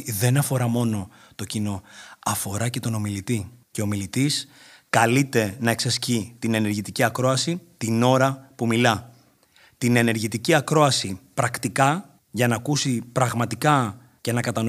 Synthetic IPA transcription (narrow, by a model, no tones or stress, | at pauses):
ðe̞nɐfo̞ɾɐmo̞no̞ | t̪o̞cino̞ɐfo̞ɾɐce̞t̪o̞no̞milit̪ice̞o̞milit̪is | kɐlit̪e̞nɐe̞ksɐscit̪ine̞ne̞ɾʝit̪iciɐkɾo̞ɐsit̪ino̞ɾɐpumilɐ | t̪ine̞ne̞ɾʝit̪iciɐkɾo̞ɐsipɾɐkt̪ikɐ | ʝɐnɐːkusipɾɐɣmɐt̪ikɐ | ce̞nɐkɐt̪ɐno